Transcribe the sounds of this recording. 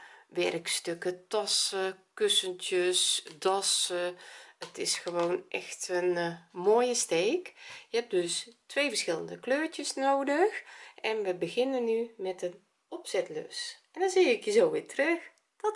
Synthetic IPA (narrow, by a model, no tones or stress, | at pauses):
ʋɛ̰rkstøkətɑsəkøsəntjəsdɔsəətɪsxəʋoːnʔɛ̰xtənmoːjəsteːkjəhɛp̚døstʋeːvəɹsxɪlˠə̰ndəkløːɹtjəsnoːdəxʔɛnʋəbəɣɪnənːymɛtən | ɔpsɛtlø̰sɛndɔnziːɪkjəzoːʋɪtrøx | d̥ɔt